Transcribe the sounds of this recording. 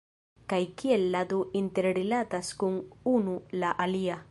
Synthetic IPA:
kajkielːad̪oint̪eɾɾilat̪askuŋunulaʔalia

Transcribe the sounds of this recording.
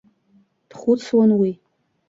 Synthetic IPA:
d̥χʊt͡sʰwanwi

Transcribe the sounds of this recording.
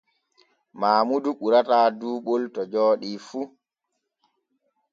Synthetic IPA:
maːmuduɓuɾataːduːɓoltɔd͡ʒɔːɗifu

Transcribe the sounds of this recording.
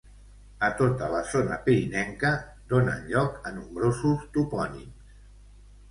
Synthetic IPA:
ət̪ot̪ələzonə̰piɾinɛŋkə | d̪onə̰nʎɔkənumbɾozust̪upɔnḭms

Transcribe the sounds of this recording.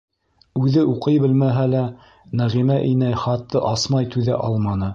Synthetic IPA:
ʉðɘʔuqɤjbɘlmæɦælæ | næʁimæʔinæjχɑt̪ːɤʔɑsmɑjt̪ʉðæ̰ʔɑ̰lˠmɑnɤ

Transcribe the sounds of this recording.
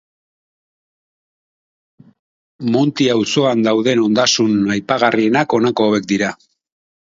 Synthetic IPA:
munt̪iawso̞and̪awðe̞no̞nd̪asunajpaɣarienako̞nako̞ːβe̞k̚d̪iɾa

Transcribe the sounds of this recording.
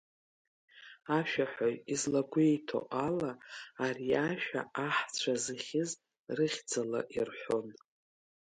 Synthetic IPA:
aʃᶣaħʷojizlaɡʷejtʰo̰ʔalaːriaʃᶣa̰aħt͡ɕʷʰazɨχʲɪz | rɨχʲd͡zala̰ʔirħʷon

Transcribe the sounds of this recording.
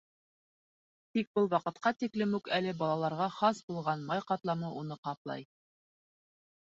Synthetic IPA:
t̪ik̚bɤlˠwɑqɤ̆t̪qɑt̪iklɘmukælɘbɑlˠɑlˠɑɾʁɑχɑsbulˠʁɑnmɑjqɑt̪lˠɑmɤʔunɤqɑplˠɑ̰j

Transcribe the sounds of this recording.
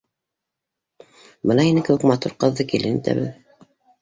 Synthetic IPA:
bɤnɑinɘkɘ̆wɘkmɑt̪uɾqɤ̆ðːɤkilɘnḭt̪æ̰βɘ̰ð

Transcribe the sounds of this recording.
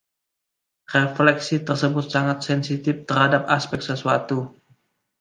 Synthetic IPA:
reflɛksit̪ərsəbʊt̪̚saŋat̪̚sɛnsit̪ɪft̪ərhadap̚aspɛk̪̚səsuat̪u

